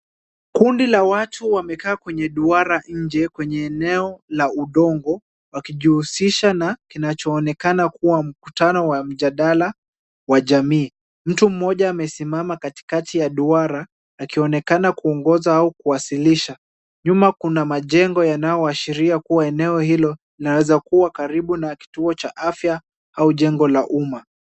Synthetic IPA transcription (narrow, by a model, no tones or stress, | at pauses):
kundilawatʰuwamɛkaːkwɛɲɛɗuaɾaɲ̩d͡ʒɛkwɛɲɛːnɛɔlauɗɔŋɡɔ | wakiʄihusiʃanakinat͡ʃɔːnɛkanakuwam̩ku̥tanɔwam̩ʄaɗala | waʄamiː | m̩tum̩ːɔʄaːmɛsimamakati̥katijaɗuaɾaː | kiɔnɛkanakuɔŋɡɔzaaukuwasiliʃa | ɲumakunamaʄɛŋɡɔjanajɔaʃiɾiakuwaɛnɛɔhilɔ | inawɛzakuwakaɾiɓunaki̥tuɔt͡ʃaʔafja | auʄɛŋɡɔlaʔuma